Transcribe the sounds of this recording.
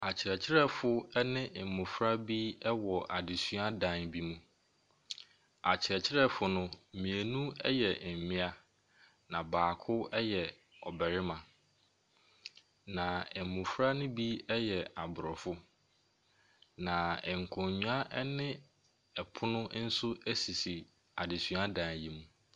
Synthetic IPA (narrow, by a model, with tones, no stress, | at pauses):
a˨t͡ɕʰɪ˨ɾɛ˨t͡ɕʰɪ˦ɾɛ˦fʊ˦ɛ˦nɪ̃˦ʔmʊ̃˨fɾa˦bi˦ɛ˦wɔ˨ʔa˨dɪ˨sɥa˦dã˨nbi˦mũ˦ | a˨t͡ɕʰɪ˨ɾɛ˨t͡ɕʰɪ˦ɾɛ˦fʊ˨nʊ̃˦˨mĩ˨æ˨nũ˦ɛ˦jɛ˨mɪ̃˦a˦ | nã˨baː˨kʰʊ˦ɛ˦jɛ˨ | ɔ˨bɛ˨ɾɪ˦mã˨ | nã˨ɛ˨m˨mũ˨fɾa˦nʊ̃˦bi˦ɛ˦jɛ˨a˨bʊ˨ɾɔ˨fʊ˦ | nã˨ɛ˨ŋ̩˨kʰɔ̃˨ɲũ˦a˦ʔɛ˦nɪ̃˦ | ɛ˨pʰʊ˦nʊ̃˦n̩˦sʊ˦æ˦si˨si˨ | a˨dɪ˨sɥa˦dã˨nji˨mũ˨